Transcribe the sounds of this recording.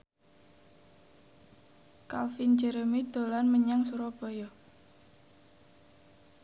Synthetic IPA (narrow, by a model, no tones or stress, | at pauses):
kalfind͡ʒəɾəmid̪̥olanməɲaŋsuɾɔb̥ojɔ